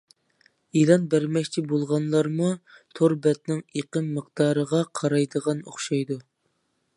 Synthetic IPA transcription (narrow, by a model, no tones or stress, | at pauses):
ilˠɑnbæɾmɛkʲt͡ʃʰibolˠʁɑnlˠɑɾmut̪ʰoɾbɛt̪nɪŋeqəmːəqd̪̥ɑːɾəʁɑqʰɑɾɑjd̪əʁɑnoχʃɑjd̪u